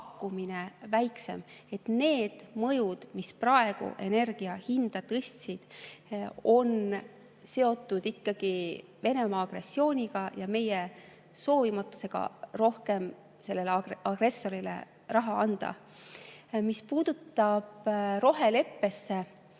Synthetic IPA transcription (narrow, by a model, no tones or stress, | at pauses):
kːuminevæjkse̞̰me̞t̪ne̞ːd̪̥mɤjud̪̥misprɑe̞ɡ̥ṵʔe̞ne̞rɡ̥iɑhind̪̥ɑt̪ɤsʲt̪sid̪̥ | o̞n | se̞o̞t̪ːˑud̪̥ikːɑɡ̥ive̞ne̞mɑːɡ̥re̞sʲːio̞ːnʲiɡ̥ɑjɑme̞je | so̞ːvimɑt̪ːˑu̥se̞ɡ̥ɑ̰ro̞hke̞m | se̞lːe̞leɑɡre̞sːo̞ɾilḛ | rɑɦɑɑnd̪̥ɑ̰ | mispuːd̪ut̪ːˑɑb̥ro̞ɦe̞le̞pːe̞sːe̞